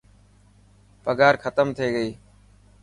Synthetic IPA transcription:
pəɡaːɾxʰət̪əmt̪ʰeːɡəiː

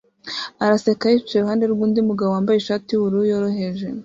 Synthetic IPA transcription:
aɾase̞kahifi̥t͡ʃeɾuhaːnde̞ɾɡuːndimuɡaβoaːmbajeʃaːtiβuɾujoɾo̞ɦe̞ʒe̞

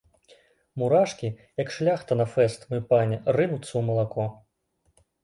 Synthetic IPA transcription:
muɾaʂkʲijɐkʂlʲaxt̪ɐnɐfɛst̪mɨpanʲɛrɨnut̪sːɐwmɐlˠakɔ

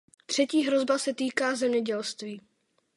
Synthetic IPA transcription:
t̪r̝̥ɛciːɦɾo̞zbasɛt̪iːkaːzɛmɲɛɟɛlst̪viː

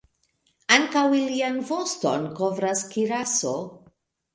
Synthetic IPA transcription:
aŋkawilianvosto̰nkovɾaskiɾaso

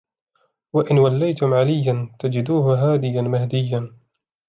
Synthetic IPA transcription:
waʔɪnwalːajt̪ʊmʕalɪjːant̪ad͡ʒɪd̪uːɦʊɦaːd̪ɪjanmahd̪ɪjːan

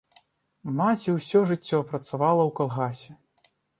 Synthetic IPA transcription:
mat͡sʲiwsʲɔʐɨt͡sʲːɔpɾɐt̪savalˠɐwkalˠɣasʲɛ

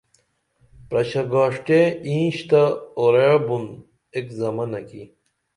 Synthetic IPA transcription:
pɾɐɕɐɡaːʂʈeĩːɕt̪aoɾebun | ekzɐmɐnɐkḭ

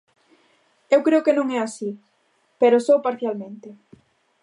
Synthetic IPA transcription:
ewkɾeʊkenõŋɛasi | peɾosowpaɾθjalmẽnt̪e

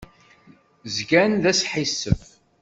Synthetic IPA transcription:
zɡænðæsħisːə̰f

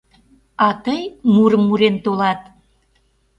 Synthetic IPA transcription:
ɑt̪əjmuɾəmːuɾent̪olɑt̪̚

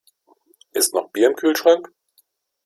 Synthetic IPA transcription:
ʔɪstnɔχb̥iːɐɪmkʰyːlʃʁ̥aŋk

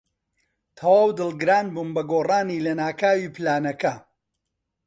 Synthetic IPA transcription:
t̪ʰɐwaːwd̪ɨlˠɡɨɾaːnbuːnbɐɡoːraːniːlɐnaːkaːwiːpɨlaːnɐkɐ

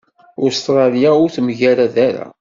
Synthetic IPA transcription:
ʊst̪ɾˤɑljaʊɾθmʝæɾæðæɾa̰

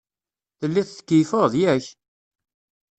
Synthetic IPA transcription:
θəlːiθθkːifoðˤjæç

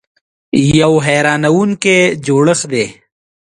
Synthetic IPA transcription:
jɐwɦɛːɾaːnɐwunked͡ʑoːɽəsd̪eː

